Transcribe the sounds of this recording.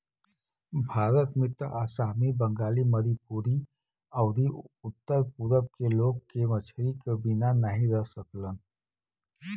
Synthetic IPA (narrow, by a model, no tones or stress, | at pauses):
bʱaːɾət̪mɪt̪ʔasaːmibə̃ŋɡaːliməɾipuːɾi | əʊd̪iʊt̪ːəɾpuːɾəb̚keloːɡ̚kemət͡ʃʰɾikebinanəɦĩɾəɦsəklən